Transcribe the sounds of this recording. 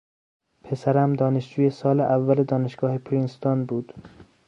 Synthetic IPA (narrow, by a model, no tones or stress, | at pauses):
pʰe̞sæɾæmd̪ɒːneʃd͡ʒuːjesɒːleʔævːæled̪ɒːneʃɡ̥ɒːhepʰɾinst̪onbuːd̪̥